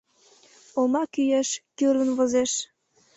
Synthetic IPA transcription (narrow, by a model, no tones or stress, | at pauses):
omɑkyjeʃkyɾə̆nβozeʃ